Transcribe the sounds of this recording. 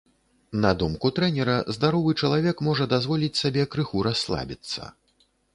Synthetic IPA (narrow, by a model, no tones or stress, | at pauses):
nɐd̪umkut̪ɾɛnʲɛɾɐzd̪aɾɔvɨt͡ʂɐlˠavʲɛkmɔʐɐd̪azvɔlʲit͡sʲsabʲɛkɾɨxuɾasːlˠa̰bʲit̪sːɐ̰